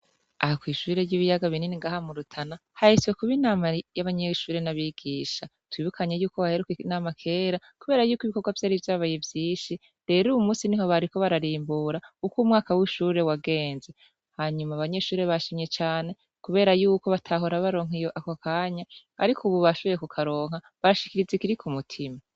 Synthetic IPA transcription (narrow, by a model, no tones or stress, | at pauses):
ahakwiːʃuɾe̞ɾɟiːβijaɡaβininiŋɡahamuɾutʰanahahiswe̞kuβinaːmajaβaɲeʃuːɾe̞naβiɡ̥iːʃa | tʰwiβukʰaɲe̞juːkoβahe̞ɾukeinaːmakʰeːɾa | kuβe̞ːɾajuːkiβikoɡwavjaːɾivjaːβajevjiːnʃi | de̞ɾuumuːsiniho̞βaɾiko̞βaɾaɾiːmbuɾaukumŋaːkawiʃuːɾe̞waɡe̞ːnze | haːɲumaβaɲe̞ʃuːɾe̞βaʃimɲe̞t͡ʃaːne̞ | kuβe̞ːɾajuːko̞βatʰaɦo̞ɾaβaɾo̞ːŋ̥ijoʔakokʰaːɲahaɾikʰuβuβaʃoβo̞jekukʰaɾo̞ːŋ̥ha | βaɾaʃikiɾizekiɾikʰumutʰima